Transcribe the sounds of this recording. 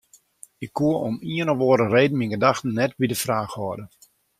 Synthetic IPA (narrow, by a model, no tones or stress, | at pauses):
ɪkʰːuəɔmiənəʋoəɾəreːdn̩minɡədaxtən̩nɛtbidəfraːxhɔdə